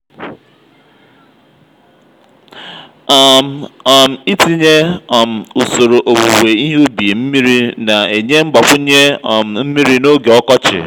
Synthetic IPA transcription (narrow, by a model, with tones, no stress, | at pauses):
m̩˨i˦ti˦ɲe˦˨m̩˨u˨so˨ɾo˨ʔo˨wo˨we˨i˦ɦe˦u˦bi˨e˨m̩˦mi˦ɾi˦na˨e˨ɲe˦ŋ͡m̩˦ɡ͡ba˨kʷʊ˦ɲe˦˨m̩˨m̩˦mi˦ɾi˦no˦ɡe˨ɔ˦kɔ˦t͡ʃɪ̰˨